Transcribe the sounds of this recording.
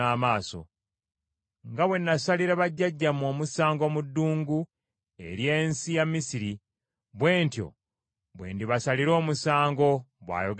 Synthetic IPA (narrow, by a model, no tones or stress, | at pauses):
aːmaːso̞̰ | ŋɡaβwe̞nːasaliɾaβaɟːaɟːamo̞ːmusaːŋɡo̞mudːuːŋɡu | e̞̰ɾje̞ːnsijamːisiɾi | βwe̞ːntjo̞̰ | βwḛːndiβasaliɾo̞ːmusaːŋɡo̞βwa̰ːjo̞ɡ